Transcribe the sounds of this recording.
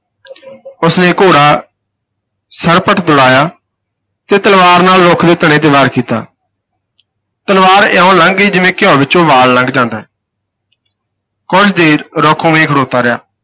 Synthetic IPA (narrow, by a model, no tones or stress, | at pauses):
ʊsneːkoːɽaː | səɾpəʈʰd̪ʊɽaːjaː | t̪eːt̪əlʋaːɾnaːlɾoːkʰd̪eːt̪əɽ̃ẽːt̪̬eʋaːɾkiːt̪a̰ː | t̪əlʋaːɾaːõːləŋɡiːd͡ʒɪʋẽːkɪjɔ̃ːʋɪt͡ʃõːʋaːlːə̃ŋɡd͡ʒãːnd̪aːɛː | kʊt͡ʃd̪eːɾɾoːkʰõːmẽːɡʰʱəɽoːt̪aːɾɪja̰ː